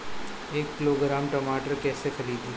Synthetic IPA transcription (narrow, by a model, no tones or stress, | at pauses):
eːkːɪloːɡɾaːmʈɐmaːʈəɾkɛːsexɐɾiːd̪ɦiː